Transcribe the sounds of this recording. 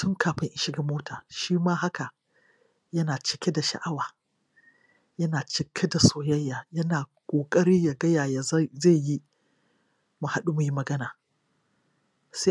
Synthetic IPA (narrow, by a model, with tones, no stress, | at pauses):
tʊ˦ŋkʰaː˨ɸɪ˦ŋʔɪ˦ʃɪ˦ɡɐ˨moː˦tʰaː˨ʃiː˦maː˦ɦa˦ka˨ | jɐ˦naː˨t͡ʃɪ̥˦kʲe˦da˨ʃa̰˨ʔa˦waː˨ | jɐ˦naː˨t͡ʃɪ˨kʲʰe˦da˨soː˨jɐ˦jːaː˨jɐ˦naː˨kʷʼoː˨kʼɐ˦ɽiː˦ja˨ɡɐ˦jaː˨jaː˨˦ze˦˨ji˦ | mʊ˨ha˦ɗu˦mʊ˨ji˦mɐ˨ɡɐ˦naː˨ | se˦